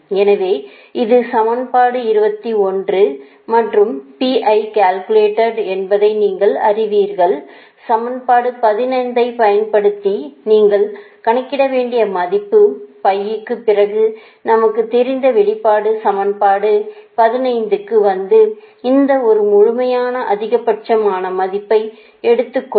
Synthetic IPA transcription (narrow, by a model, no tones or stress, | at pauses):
ɛnɐʋeː | ɪðɯsɐmɐnpaːɽɯɪɾɯbɐt̪ːiɔndrɯ | mɐʈrɯmpiʔɐɪkaːlkɯleːʈːɐɾɛnbɐðɐɪniːŋɡɐɭɐ̰rɪʋiːɾɣɐɭ | sɐmɐnpaːɽɯpɐðɪnɐɪnd̪ɐɪpɐjɐnpɐɽɯt̪ːiniːŋɡɐɭ | kɐɳɐkːɪɽɐʋeːɳɖɪjɐmɐðɪpːɯpɐjːɯkːɯpɪrɐɣɯ | nɐmɐkːɯt̪ːɛɾɪnd̪ɐʋɛɭɪpːaːɽɯsɐmɐnpaːɽɯpɐðɪnɐɪnd̪ɯkːɯʋɐnd̪ɯ | ɪnd̪ɐɔɾɯmʊɻʊmɐjaːnɐʔɐðɪɣɐpːɐʈ̚t͡ʃɐmaːnɐmɐðɪpːɐɪ | ɛɽɯt̪ːɯkː